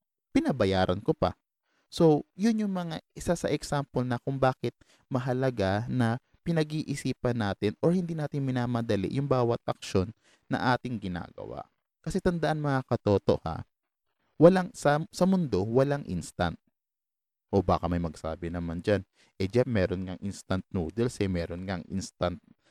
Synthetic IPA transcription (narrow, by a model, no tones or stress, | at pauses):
pɪnɐbɐjaːɾʔɐnkopɐ̰ | so̞jʊnjʊŋmɐŋaɪsasɐʔɛksampolnɐkʊŋbaːkɪt̪̚ | mɐɦɐlɐɡanɐ | pɪnɐɡiːʔɪsiːpɐnːaːt̪ɪnoɹhɪnd̪iːnaːt̪ɪŋmɪnaːmɐd̪ɐlɪ̰ʔjʊŋbaːwɐt̪̚ʔɐk̚ʃo̞nː | ɐ̰ŋʔaːt̪ɪŋɡɪna̰ːɡɐ̰wa̰ʔ | kɐsɛt̪ɐnd̪ɐʔanmɐŋakɐt̪o̞ːt̪o̞ʔha̰ | wɐlaŋsɐsɐmʊnd̪o̞wɐlaŋʔḭnst̪ɐ̰nt̪̚ | ʔoba̰ːkɐmɐjmɐɡsa̰ːbɪnɐmand͡ʒan | ʔɛd͡ʒamɛːɾonŋɐŋʔinst̪ɐnt̪̚nud̪ɛlsɛmɛːɾo̞nŋaŋʔɪ̰nst̪ɐnt̪̚